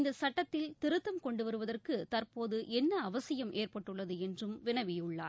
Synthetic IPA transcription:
nd̪ɐsɐʈːɐt̪ːɪlt̪ɪɾɯt̪ːɐmkɔɳɖɯʋɐɾɯʋɐðɐrkɯt̪ɐrpoːðɯʔɛnːɐːʋɐsɐjɐmʔeːrpɐʈːɯɭːɐðɯɛndrɯmʋɪnɐʋɪjʊɭːa̰ːɾ

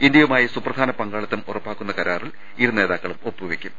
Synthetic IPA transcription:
ind̪jɐʋumaːjɐsuprɐd̪ʱaːnɐpɐŋɡaːɭɐt̪ːɐmurɐpːaːkːunːɐkɐɾaːriɭ | iɾune̞ːðaːkːɐɭumo̞pːuʋekʲːum

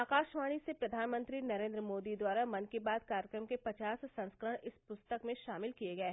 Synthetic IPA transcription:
aːkaːʃʋaːɽ̃isepɾɐd̪ʱaːnmə̃nt̪ɾinɐɾẽːnd̪ɾəmoːd̪id̪waːɾamɐnkebaːd̪kaːɾjəkɾəmkepɐt͡ʃaːsːɐ̃nskəɾəɽ̃ɪspʊst̪əkmẽʃaːmɪlkijeɡɐeɦ

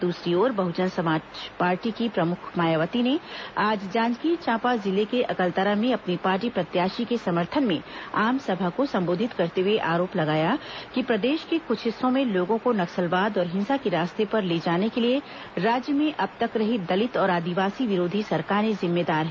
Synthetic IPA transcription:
d̪uːsɾioːɾbɐɦʊd͡ʒənsɐmaːd͡ʒpaːɾʈikipɾɐmʊkʰmaːjaʋət̪ineaːd͡ʒd͡ʒãːd͡ʒkit͡ʃãːpazɪlekeʔɐkəlt̪əɾamẽɐpnipaːɾʈipɾɐt̪jaːʃikesɐməɾt̪ʰənmẽaːmsɐbʱakosɐ̃mboːd̪ʱɪt̪kɐɾt̪eweʔaːɾoːplɐɡaːjakipɾɐd̪eːʃkekʊʃʰɪsːõmẽloːɡõkonɐksəlʋaːd̪ɔːɾɦɪ̃nsakeɾaːst̪epɐɾleːd͡ʒaːnekelie | ɾaːd͡ʒjəmẽʔɐb̚t̪ɐkɾɐɦid̪ɐlɪt̪ɔːɾaːd̪iʋaːsiʋɪɾoːd̪ʱisɐɾkaːɾnẽzɪmːeːd̪aːɾɦɛ̃

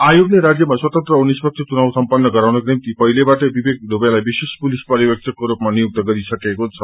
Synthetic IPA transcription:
ajoɡneɾad͡zjəmaswət̪ənt̪ɾəunːispək̚t͡ʃʰit͡ʃunawsəmpənːəɡəɾawnəknemt̪ipəɦilebaʈebibek̚d̪ʱopjalajbisespulispaɾjibek̚t̪ʰəkːoɾopmanijuk̚t̪əɡəɾisəkekot͡sʰə

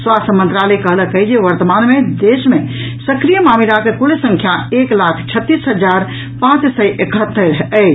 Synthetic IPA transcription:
swast̪ʰəmənt̪ɾalɛkəɦləkəd͡ʒeʋəɾt̪əmanmed̪esmẽsəkɾijəmamiɾakekulesə̃ŋkʰjaeklakʰt͡ʃʰət̪ːisɦəd͡ʒaɾ | pãt͡ʃsəʔekʰət̪ːəɾɦə

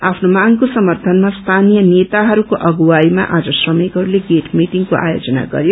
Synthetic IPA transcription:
apʰnomaŋkosʌmʌrt̪ʰʌnmast̪ʰanijʌnet̪aɦʌɾukoʔʌɡuwaima̰ʔad͡zʌsrʌmekɦʌɾuleɡeʈʰmiʈiŋkoʔa̰jo̰d͡zʌna̰ɡʌ̰ɾjo

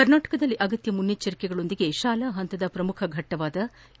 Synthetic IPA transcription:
kɐɾnaːʈɐ̥kɐd̪ɐlːiʔɐɡɐt̪jɐmunjɐt͡ʃːɐɾikɛɡɐɭo̞nd̪iɡe̞ʃaːlɐːɦɐnt̪ɐd̪ɐpɾɐmukʰɐɡʱɐʈːɐʋaːd̪ɐ

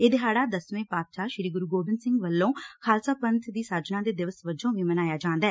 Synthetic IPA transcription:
eːd̪eɦaːɽaːd̪əsʋẽːpaːpʃaːʃɾiːɡʊɾuːɡoːbɪnsɪ̃ŋɡʋəlːõːkʰaːlsaːpənt̪ʰd̪iːsaːd͡ʒnãːd̪eːd̪ɪʋəsʋəd͡ʒõːʋiːmənaːjaːd͡ʒãːnd̪aɛː

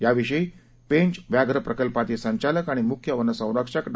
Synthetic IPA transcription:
jaʋiʂəi | pẽɲt͡ɕʋjaɡɾəpɾəkəlpat̪esəɲt͡ɕaləkaɽ̃imukʰjəʋənːəsə̃w̃ɾakʂakɖ

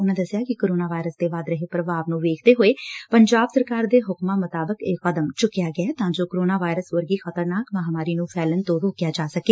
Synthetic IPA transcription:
ʊnãːd̪əsɪjaːkɪkoːɾoːnaːʋaːɪɾəsd̪eːʋaːd̪ɾəɦeːpɾəʋaːʋnũːʋeːkʰd̪eːɦoːeːpəɲd͡ʒaːbsəɾkaːɾd̪eːɦʊkmaːmʊt̪aːbəkeːəd̪əmt͡ʃʊkːɪjaːɡɪɛːt̪ãːd͡ʒoːkoɾoːnaːʋaːɪɾəsʋəɾɡiːxət̪əɾnaːkmaɦamaːɾiːnũːpʰɛːlənt̪õːɾoːkjaːd͡ʒaːsəkeː

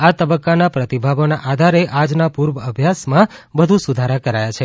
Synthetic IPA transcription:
at̪əbəkːanapɾət̪ibʱaʋonaʔad̪ʱaɾeʔad͡ʒnapuɾʋəəbʱjasmãbəd̪ʱũsud̪ʱaɾakəɾajat͡ʃʰe

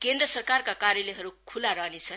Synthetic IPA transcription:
kend̪rʌsʌrkarkakaɾjʌleɦʌɾukʰulaɾʌɦnet͡sʰʌ

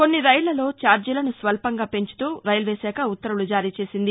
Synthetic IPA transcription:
ko̞nːiɾɐjlɐlo̞ːt͡ʃaːɾd͡ʒɐlɐnusʋɐlpɐŋɡaːpe̞ɲt͡ʃu̥t̪uːɾɐjlʋeːsɛːkɐut̪ːɐɾulud͡ʒaːɾiːt͡ʃe̞ːsind̪i

